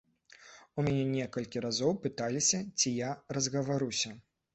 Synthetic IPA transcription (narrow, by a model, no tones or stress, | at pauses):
umʲanʲɛnʲɛkɐlʲkʲiɾazɔwpɨt̪alʲisʲɐt͡sʲijarɐzɣɐvaɾusʲɐ